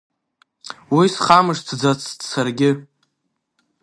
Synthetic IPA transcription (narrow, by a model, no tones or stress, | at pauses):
wisχamɨʂt͡sʰd͡zat͡sʰtsarɡʲɪ